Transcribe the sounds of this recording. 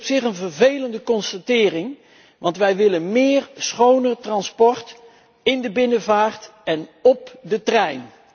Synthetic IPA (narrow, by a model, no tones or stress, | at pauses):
psɪχənvərvejləndəkɔnstatɪːrɪŋ | ʋɑntʋɛjʋɪlənmɪːrsχownərtrɑnspɔɹt | ɪndəbɪnəvaːrtɛnɔp̚dətrɛjn